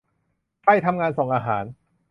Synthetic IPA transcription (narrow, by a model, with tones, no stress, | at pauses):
kʰa˥˩jt̪ʰa˧mŋaː˧nsoː˨˩˦ŋʔaː˧ɦaː˩˦n